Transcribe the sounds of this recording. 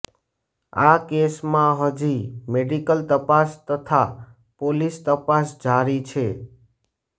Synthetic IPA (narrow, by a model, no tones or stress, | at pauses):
akesmãɦəd͡ʒimeɖikəlt̪əpast̪ət̪ʰa | polist̪əpasd͡ʒaɾit͡ʃʰe